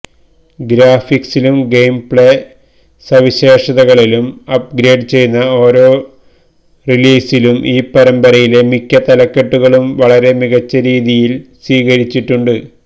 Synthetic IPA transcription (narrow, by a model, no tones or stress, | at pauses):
ɡɾaːfiksilumɡejmpɭe | sɐʋiɕe̞ːʂɐðɐɣɐɭilumɐp̚ɡɾeːɖt͡ɕe̞jnːɐo̞ːɾo̞ː | riliːsilumʔiːpːɐɾɐmbɐɾɐjile̞mikʲːɐt̪ɐlɐkːe̞ʈːuɣɐɭumʋɐɭɐɾe̞miɣɐt͡ɕːɐɾiːðijilswiːɣɐɾit͡ɕːiʈːuɳɖɨ